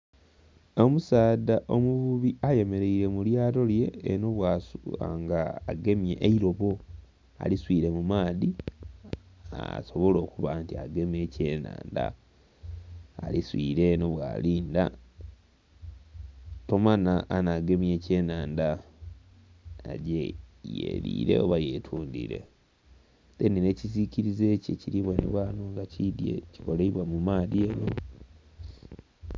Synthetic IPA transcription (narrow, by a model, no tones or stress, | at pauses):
o̞musaːdaʔomuβuβiʔaje̞me̞ɾe̞iɾe̞muljaːɾo̞lje̞ːno̞βwasa̰ŋɡaːɡe̞mje̞ʔeiɾo̞βo̞ | a̰liswiːɾe̞mumaːði | a̰so̞βo̞lo̞ːkuβaːntia̰ɡe̞me̞ːce̞ːna̰ːnda̰ | liswiːɾe̞no̞βwa̰ːliːnda̰ | to̞manaʔːnaɡe̞mje̞ːce̞ːnaːnda | ɟejḛɾḭːɾe̞̰oβaje̞tʰuːndḭɾe̞̰ | denineciziciɾize̞cḛciɾiβwanḛβwaːno̞ŋɡacidjḛci̥koleiβwamumaːðieːno̞